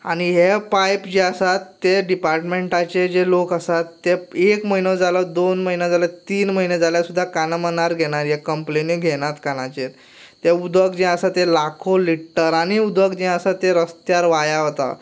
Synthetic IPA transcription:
a̰ɽ̃iɦepajpd͡ʑəsat̪ːeɖipaɾʈmeɳʈat͡ɕed͡ʑelokasat̪ːeekməɦinə̃d͡zaləd̪onməɦinãd͡zalət̪iːnməɦinẽd͡zaljasud̪ʱːakanəmənaɾɡʱeɽ̃aɾjakəmplenĩɡʱeɽ̃at̪kanãt͡ɕet̪ː | eud̪ʋəkd͡ʑiəsat̪elakʰoliʈːəɾaɽ̃iud̪ʋəkd͡ʑĩəsat̪eɾəst̪jaɾʋajaɦot̪a̰

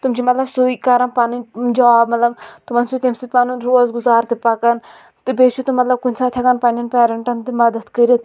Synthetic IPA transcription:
t̪umt͡ʃʰimɐt̪lɐbsuikɐɾɐnpanɨd͡ʒɐʋaːbmɐt̪lɐbt̪umɐnsut̪ʲemsit̪panunɾozɡuzaːɾt̪ɨpɐkɐn | t̪ɨbesut̪ɨmɐt̪lɐb̚kunʲsʰaːt̪ʰʲɐkɐnpɐnʲɐnpɛːɾɐɳʈɐnt̪ɨmɐd̪ɐt̪kɐɾʲit̪̚

